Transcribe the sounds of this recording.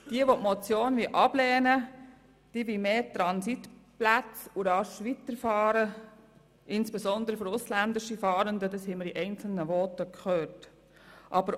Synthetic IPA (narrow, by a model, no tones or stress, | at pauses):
d̥iəʋotmɔt͡sjoːnʋiʔɑb̥lɛːnə | d̥iːʋimeːtɾɑnsitplæt͡suɾɑʃʋit̪əɾfɑːɾə | ɪnsb̥ezɔnd̪əɾəfɔɾʊslænd̪ɪʃifɑːɾənd̪ədɑshɛɪməɾiʔɛɪnt͡sl̩nəʋɔːtəkχøːt | ʔɑbəɾ